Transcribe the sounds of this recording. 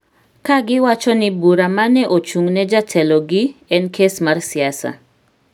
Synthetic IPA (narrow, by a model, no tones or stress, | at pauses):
kaɡɪwat͡ʃɔnɪbuɾamanɛʔot͡ʃuŋnɛd͡ʒatʰɛlɔɡɪɛnkʰesmarsɪasa̰